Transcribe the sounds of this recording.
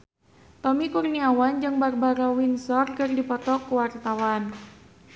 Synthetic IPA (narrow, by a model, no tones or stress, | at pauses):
t̪ɔmikurniawand͡ʒɨŋbarbaɾawinsɔrkɨrdipɔt̪ɔkuwart̪awan